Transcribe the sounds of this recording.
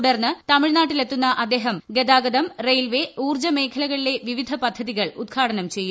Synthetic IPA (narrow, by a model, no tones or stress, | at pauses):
ɽɐrnːɨt̪ɐmiɻnaːʈːile̞t̪ːunːɐʔɐd̪ːe̞ːɦɐmɡed̪aːɡɐðɐmrejlʋe̞uːrd͡ʑɐme̞ːkʰɐlɐɣɐɭile̞ʋiʋid̪ʱɐpɐd̪ʱːɐðiɣɐɭud̪̚ɡʰʱaːɽɐnɐmt͡ɕe̞jːu